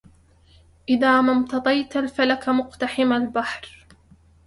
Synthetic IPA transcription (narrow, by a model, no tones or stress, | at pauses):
ʔɪðaːmamt̪ɑt̪ˤɑjt̪alfalakamʊqt̪aħɪmalbaħɾ